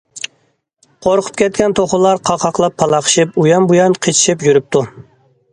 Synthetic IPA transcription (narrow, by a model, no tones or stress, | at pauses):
qʰoɾqʰʊ̥p̚kʲɛt̪̚kʲɛnt̪ʰoχʊlˠɑɾqʰɑqʰɑqlˠɑpʰːɑlˠɑqʰə̥ʃɨpujɑmbujɑnqʰet͡ʃʰi̥ʃipjyɾyp̚t̪ʰu